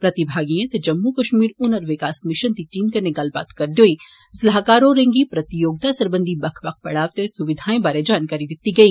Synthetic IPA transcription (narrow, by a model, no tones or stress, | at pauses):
pɾɐt̪ibʱaːɡijẽt̪ed͡ʒɐmːukɐʃmiːɾʊnəɾʋɪkaːsmɪʃənt̪iʈiːmkɐɾneɡɐlba̰ːt̪kɐɾd̪joːi | ɪslaɦkaːɾõɾẽŋɡipɾɐt̪ijoːɡ̚t̪asɐɾbə̃nd̪ʱibɐkʰʋɐk̚pɐɽaːʋt̪esuʋɪd̪ʱaːẽbaːɾed͡ʒaːnkaːɾid̪ɪt̪iɡɐiː